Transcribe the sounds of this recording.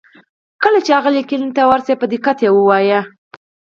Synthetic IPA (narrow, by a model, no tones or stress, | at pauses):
kəlat͡ʃeaɣəlekɪlint̪awaɾsepəd̪ekat̪jewəwɑja